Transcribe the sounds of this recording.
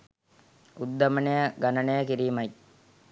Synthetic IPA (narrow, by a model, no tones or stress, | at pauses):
ud̪ːɐmɐnejɐɡɐnɐnejɐkiɾiːmɐj